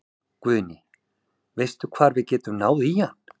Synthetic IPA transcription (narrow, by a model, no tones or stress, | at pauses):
kvʏːnɪ | vejst̪ʏkʰvaːɾvɪðcɛːt̪ʏmnaːwðijan̥